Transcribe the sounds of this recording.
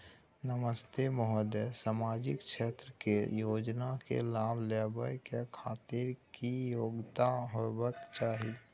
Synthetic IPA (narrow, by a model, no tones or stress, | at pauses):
nəməst̪emɔɦəd̪esaːmaːd͡ʒɪkʃeːt̪ɾəkejoːd͡ʒnakḛlaːbleːbəjkekʰaːt̪iɾkijoːɡt̪aɦobəkt͡ʃaːɦi